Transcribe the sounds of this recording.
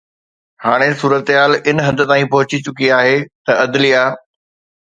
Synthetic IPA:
haːɽ̃esuːɾət̪ɦaːlɪnɦɐ̃nd̪ə̆t̪aːĩpɐɦʊt͡ɕit͡ɕʊkiaːɦet̪ɐɐd̪lijaː

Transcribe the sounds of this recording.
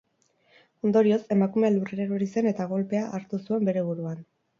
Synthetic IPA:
o̞nd̪o̞ɾio̞se̞makume̞alureɾeɾoɾise̞ne̞t̪aɣo̞lpe̞aʔːɾt̪usue̞mbe̞ɾe̞β̞uɾuan

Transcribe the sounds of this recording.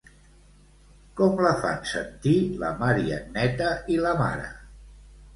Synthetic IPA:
kɔmləfa̰nsənt̪ilə̰maɾiə̰nɛt̪əiləma̰ɾə̰

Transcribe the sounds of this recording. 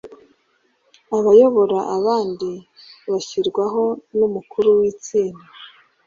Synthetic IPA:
aβajo̞βo̞ɾaʔaβaːndi | βaçiɾɡwaɦo̞numukʰuɾuwiːt͡siːnda

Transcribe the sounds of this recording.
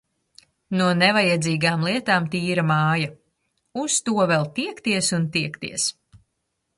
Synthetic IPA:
nuɔnɛvajɛd̪ziːɡaːmlˠiɛt̪aːmt̪iːɾamaːja | ust̪uɔvɛlˠt̪iɛkt̪iɛsunt̪iɛkt̪ḭɛs

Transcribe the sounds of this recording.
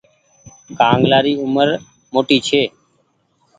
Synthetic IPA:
kaːŋɡlaːɾiːʊməɾ | moːʈiːt͡ʃʰeː

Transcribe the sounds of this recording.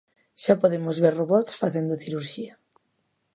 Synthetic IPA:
ʃapoðemozβeɾroβɔt̪sfaθend̪oθiɾuɾʃia

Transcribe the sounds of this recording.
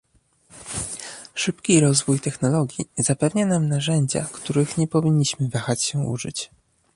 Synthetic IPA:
ʂɘpkʲiɾɔzvujt̪ɛxnɔlɔɡʲjizapɛvɲanamnaʐɛɲd͡ʑa̰kt̪uɾɘxɲɛpɔvʲiɲːiɕmɘvaxat͡ɕɕɛṵʐɘ̰t͡ɕ

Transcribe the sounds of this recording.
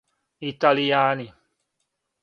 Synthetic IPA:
it̪alijaːni

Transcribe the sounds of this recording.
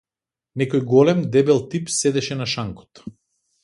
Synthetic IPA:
nɛkɔjɡɔlɛmd̪ɛbɛlˠt̪ipsɛd̪ɛʃɛnaʃaŋkɔ̥t̪

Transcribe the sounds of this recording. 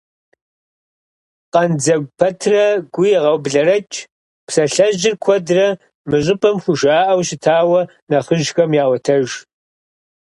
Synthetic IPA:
qɐnd͡zɐɡʷpʰɐtʰrɐɡʷʊjɛʁɐwbɮɐɾɐt͡ʃʼ | psɐɬɐʑɪrkʷʰɔdrɐ | mɨɕʼɪpʼɐmxʷʊʃaːʔɐwɕɪtʰaːwɐ | naχəʒxɐmjaːwɐtʰɐʒ

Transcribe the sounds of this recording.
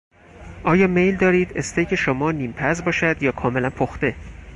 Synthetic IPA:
ʔɒːjɒːme̞jld̪ɒːɾiːd̪̥est̪ejkʰeʃomɒːniːmpʰæzbɒːʃæd̪jɒːkʰɒːme̞lænpʰoxt̪e̞

